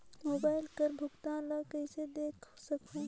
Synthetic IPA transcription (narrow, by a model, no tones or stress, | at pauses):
moːbaːɪlkəɾbʱʊkt̪ãləkəɪsed̪eːkʰsəkũ